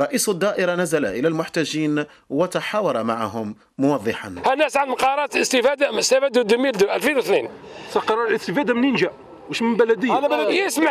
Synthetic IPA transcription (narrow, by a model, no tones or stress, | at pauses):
ɾˤɑʔiːsʊd̪ˤːɑʔəɾˤɑnæzala̰ʔəlælmʊħt̪æʒːiːn | wət̪ɑħawɑɾˤɑmaʕaɦʊmː | ʊwɑðˤːəħanhænːæsʕənd̪mqɑɾˤɑt̪ləst̪ɪfæd̪asæfæd̪ud̪əmild̪ʔælfinwθnin | sɑqɑɾˤɑɾlʔəst̪əfæd̪amnənʒæ | wəʃmənbælæd̪əjːsma